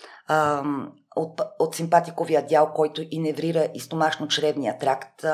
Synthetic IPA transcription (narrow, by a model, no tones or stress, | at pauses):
ot̪ot̪simpat̪ikovijəd̪ʲjalˠkɔjt̪ʊʔinɛvɾiɾəʔist̪omaʃnot͡ʃɾɛbnijət̪ɾakt̪